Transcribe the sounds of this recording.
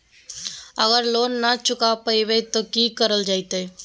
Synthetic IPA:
əɣəɾloːnːat͡ʃʊkapəiʋet̪okiːkəɾəld͡ʒaːit̪eː

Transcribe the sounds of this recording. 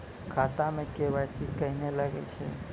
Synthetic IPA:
kʰat̪amẽkeʋasikəɦineləɡḛt͡ʃʰe

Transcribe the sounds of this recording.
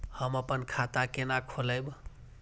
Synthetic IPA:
həməpənkʰat̪akenakʰoləjb

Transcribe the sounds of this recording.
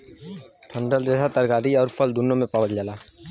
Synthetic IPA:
ʈʰə̃ɳɖəld̪ɾeːsat̪əɾɡaːɾiɔːɾfʰəld̪ʊnːomẽpaːʋəld͡ʒaːlaː

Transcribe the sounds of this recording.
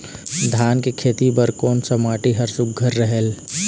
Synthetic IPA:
d̪ʱaːnkekʰeːt̪ibɐɾkɔːnsɐmaːʈiɦɐɾsʊk̚ɡʱɐɾːəɦɛl

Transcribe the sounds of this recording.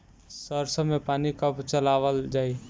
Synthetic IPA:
səɾsə̃mepaːnikəpt͡ʃəlaʋəld͡ʒaːi

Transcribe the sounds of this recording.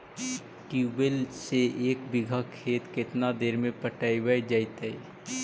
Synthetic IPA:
ʈibelseeːkbɪɡʱəkʰːeːt̪kɪt̪nad̪eːɾmẽpəʈaibəjd͡ʒaɪt̪əi

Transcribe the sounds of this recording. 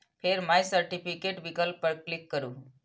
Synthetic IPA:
fʰeɾmajsəɾʈifikeʈʋikəlpəɾklikːəɾuː

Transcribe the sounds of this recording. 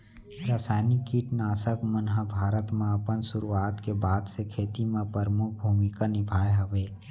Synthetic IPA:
ɾaːsaːjnikiʈnaːsəkmənɦəbʱaːɾət̪mẽɐpənsʊɾuaːd̪kebaːd̪sekʰeːt̪imẽpəɾəmʊk̚ʰbʱuːmɪkanɪbʱaːjɦɐʋeː

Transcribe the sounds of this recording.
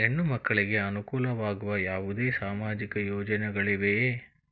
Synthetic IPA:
enːumɐkːɐɭiɡe̞ɐnukuːlɐʋaːɡuʋɐjaːʋud̪e̞ːsaːmaːd͡ʒikɐjoːd͡ʒɐnɛɡɐɭiʋe

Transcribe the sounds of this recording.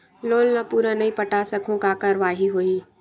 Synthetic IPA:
loːlnapuːɾanɐĩpəʈasəkʰõkakaɾʋaːɦiɦoiː

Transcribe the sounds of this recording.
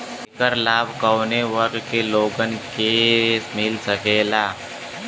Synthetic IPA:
ɪkəɾlaːbkəwneʋəkkeloːɡənkeːsmɪlsəkeːlaː

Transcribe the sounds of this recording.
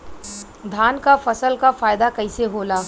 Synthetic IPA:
d̪ʱaːnkafɐsəlkafaːjd̪akɐiseɦoːlaː

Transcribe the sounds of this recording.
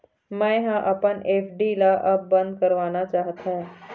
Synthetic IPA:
mɛ̃ɦãʔɐpəneːpɖilaʔɐbːɐ̃nd̪̚kɐɾʋaːnat͡ʃaːɦt̪ẽ

